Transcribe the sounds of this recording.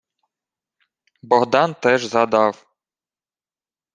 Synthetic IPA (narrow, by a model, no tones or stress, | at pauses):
bɔɦd̪ɑnt̪ɛʒzɐd̪ɑw